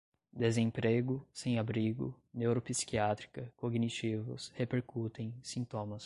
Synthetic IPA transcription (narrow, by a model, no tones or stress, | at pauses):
d̪ezẽpɾeɡʊsẽj̃abɾiɡʊ̰ | newɾopisi̥kiat̪ɾi̥kɐkoɡnit͡ʃivʊ̰shepeɾkut̪ẽj̃sĩnt̪õmɐs